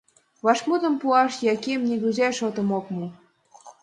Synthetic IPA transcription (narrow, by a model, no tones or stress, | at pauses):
βɑʃmut̪ɤ̆mpuɑʃjɑkemnʲeɡuzʲæʃot̪ə̆mokmɤ